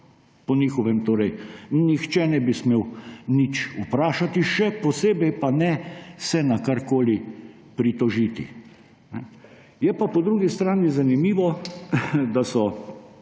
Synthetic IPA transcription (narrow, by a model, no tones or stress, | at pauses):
pɔniːxɔʋɛmt̪oːɾɛjnixt͡ʃɛnɛbismeːwnit͡ʃupɾaːʃat̪iʃɛpɔseːbɛjpanɛsɛnakaɾkoːli | pɾit̪ɔʒiːt̪ḭ | nɛ | jɛpapɔd̪ɾuːɡist̪ɾaːnizanimiːʋɔ | d̪asɔ